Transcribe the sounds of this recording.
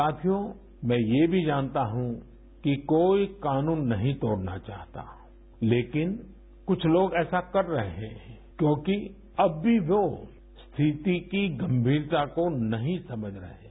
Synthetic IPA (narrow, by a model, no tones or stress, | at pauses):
aːt̪ʰijo | mɛ̃ːjebʱid͡ʒaːnt̪aɦũ | kikoːikaːnũːnːɐɦĩt̪ɔːɽna̰t͡ʃa̰ːɦt̪a̰ | leːkɪn | kʊt͡ʃʰloːɡɛːsakɐɾːɐɦeɦɛ̃ː | kjõːki | ɐbːʱiʋoː | st̪ʰit̪ikiɡɐ̃mbʱiːɾt̪akonɐɦĩsɐməd͡ʒʱɾɐ̰ɦeː